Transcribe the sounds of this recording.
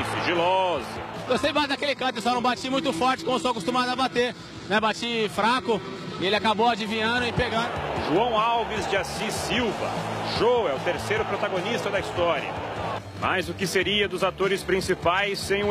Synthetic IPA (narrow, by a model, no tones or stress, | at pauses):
siʒilɔzʊ̰d̪osejbad̪ɐkelɪkɐ̃t̪eɾsãnɐ̃w̃bat͡ʃimũj̃t̪ʊfɔɾt͡ʃɪ̥kõʊsoakost̪umad̪ʊɐbat̪eɾ | nɛbat͡ʃifɾakʊ | ɪelɪakabowad͡ʒivĩɲɐ̃d̪ʊɪpeɡaɾʒuɐ̃w̃awvɪzd͡ʒɪasisiwvɐ̰ʃowɛʊt̪eɾsejɾʊpɾot̪aɡonist̪ɐd̪ɐist̪ɔɾḭɐ̰ | ma̰jzʊkɪseɾiɐd̪ʊzat̪oɾɪspɾĩsipajsẽj̃ʊ